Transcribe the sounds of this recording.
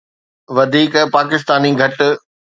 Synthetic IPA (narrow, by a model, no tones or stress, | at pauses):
ʋɐd̪ʱiːkpaːkɪs̬t̪aːniɡʱɐʈ̆